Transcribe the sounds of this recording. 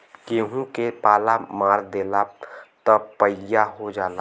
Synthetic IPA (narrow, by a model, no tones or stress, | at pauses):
keːɦũkepaːlamaːɾd̪eːlat̪ɔpəjaɦod͡ʒaːla